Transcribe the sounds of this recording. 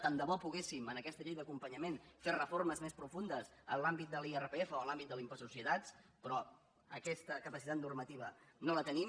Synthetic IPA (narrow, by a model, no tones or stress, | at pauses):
t̪and̪əβɔpuɣ̞esimənəkɛst̪əʎejd̪əkumpəɲəmenferəforməzmespɾufund̪əsənlambit̪̚d̪əlierəpeefəoəlambit̪̚d̪əlˠimpəsusiət̪at͡spɾɔ | əkɛst̪əkəpəsit̪at̪nurmət̪iβ̞ənolət̪ənim